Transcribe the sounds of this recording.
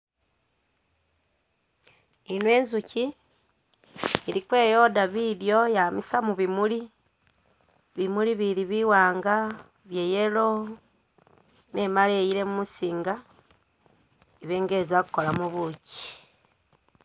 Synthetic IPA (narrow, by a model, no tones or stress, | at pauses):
inwe̞ːnzuci | iɾikwe̞ːjo̞daβiːɾjo̞jamisamuβimuli | βimuliβiɾiβiwaːŋɡa | βje̞jelo̞ | ne̞malejiɾe̞mumusiːŋɡa | iβe̞ːŋɡeːzakukolamuβuci̥